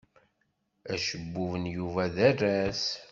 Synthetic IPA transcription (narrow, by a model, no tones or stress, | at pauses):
æʃəbːuvənjuvæðærːæs